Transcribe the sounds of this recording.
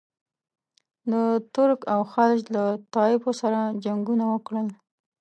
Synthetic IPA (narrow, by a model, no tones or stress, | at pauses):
d̪ət̪ʊɾkawxalʃlat̪ɑɪbosaɾad͡ʒaŋɡunawəkɽəl